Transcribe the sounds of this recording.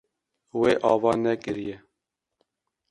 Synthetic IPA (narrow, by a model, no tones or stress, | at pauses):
weːʔɑːvɑːnɛkɨɾijɛ